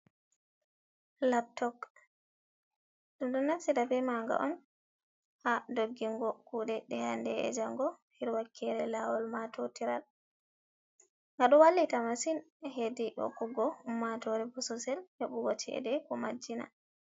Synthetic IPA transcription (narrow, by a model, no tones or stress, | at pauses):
lap̚tɔk | ɗumɗunːasidabɛmaŋɡa̰ʔɔn | hadoɡːiŋɡɔkuːɗɛɗɛhandɛɛ̰d͡ʒaŋɡɔhiɾwakʰːɛɾɛlawɔlmatotiɾal | ŋɡaɗɔwalːitamasin | hediʔɔ̰kɔɡɔhumːatɔɾɛbɔsɔsɛlheɓuɡɔt͡ʃɛ̰dɛkɔmad͡ʒːina̰